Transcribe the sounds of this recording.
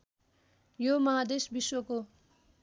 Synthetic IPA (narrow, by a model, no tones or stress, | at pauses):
jomʌɦad̪esbiswʌko